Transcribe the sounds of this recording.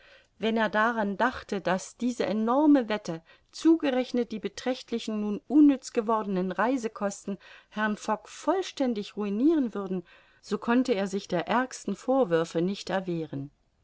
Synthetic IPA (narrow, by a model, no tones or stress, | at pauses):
vɛneːɐdaʁandaχtəd̥asd̥iːzəʔenɔɐməvɛtə | t͡suːɡəʁɛçnət̚d̥iːbətʁ̥ɛçtʰlɪçn̩nuːnʔʊnːʏt͡sɡ̥əvɔɐdənənʁaɪzəkʰɔstn̩hɛɐnfɔkfɔlʃtɛndɪçʁuiniːʁənvʏɐdn̩ | z̥oːkʰɔntəeːɐzɪçd̥eːɐʔɛɐkstn̩foːɐvʏɐfənɪçtɛɐveːʁən